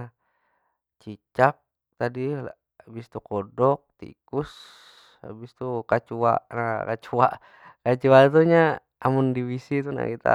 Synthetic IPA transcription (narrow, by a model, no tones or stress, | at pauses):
t͡ʃit͡ʃak̚ | t̪adia | bist̪ukɔdɔk̚t̪ḭkus | a̰bist̪ukat͡ʃua̰ʔnakat͡ʃuaʔ | kat͡ʃuat̪̬uɲaː | mundiwisit̪una̰kit̪a̰